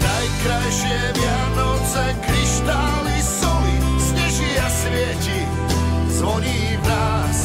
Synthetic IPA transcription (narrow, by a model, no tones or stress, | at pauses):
najkɾajʃɪɛʋɪa | nɔt͡sɛkɾiʃt̪aːlisulisɲɛʒiasʋɪɛci | zʋɔɲiːvɾaː | s